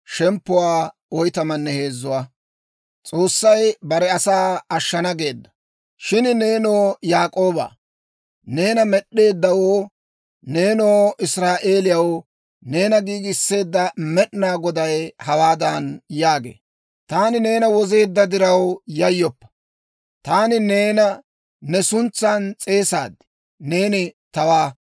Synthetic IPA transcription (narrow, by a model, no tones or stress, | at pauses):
ʃɛmpːʊwaː | ɔjt̪ɐmɐnːɛhe̞ːzːʊwaː | t͡sʼo̞ːsːɐjbɐɾɛɐsaːɐʃːɐnɐɡe̞ːd̪ːɐ̥ | ʃɪnne̞ːnoːjaːkʼoːba̰ː | ne̞ːnɐmɛɗe̞ːd̪ːɐwoː | ne̞ːnoːʔɪsɾaːʔe̞ːlɪjɐw | ne̞ːnɐɡiːɡɪsːe̞ːd̪ːɐmɛɗnaːɡɔd̪ɐjhɐwaːd̪ɐnjaːɡḛː | t̪aːnɪne̞ːnɐwɔze̞ːd̪ːɐd̪ɪɾɐwjɐjːɔpːɐ̥ | t̪aːnɪne̞ːnɐ | nɛsʊnt͡sːant͡sʼe̞ːsa̰ːd̪ɪ̥ | ne̞ːnɪt̪ɐwaː